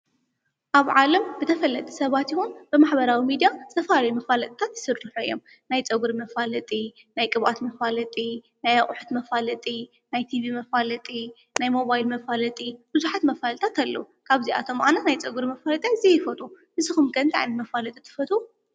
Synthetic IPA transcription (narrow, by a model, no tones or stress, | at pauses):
ʔaβʕalɐmbɨt̪ʰɐfɐlːɐt̪ʼi̥sɐβat̪jɪhunb̥ɨmaħbɐɾawimid̪jazɨ̥t̪ʰɐfalɐjumɐfalɐt̪ʼt̪ʰat̪jɪ̥sɨɾːɨħuijːom | najt͡sʼɐɡuɾimɐfalɐt̪ʼi | najkʼɨβʔa̰t̪mɐfalɐt̪ʼi | najaχʼʊħu̥t̪mɐfalɐt̪ʼi | najt̪ʰivimɐfalɐt̪ʼi | najmo̞βajlmɐfalɐt̪ʼib̥ɨzuħat̪mɐfalt̪ʰat̪ʰalːɐ̰u | kʰaβzia̰t̪ʰo̞mʔanɐt̪najt͡sʼɐɡuɾimɐfalɐt̪ʼaɨzijfɐt̪ʼu | ɨzɨxumɡɐnt̪ʰʼaʕnmɐfalɐt̪ʼit̪ʰɨ̥fɐt̪ʼu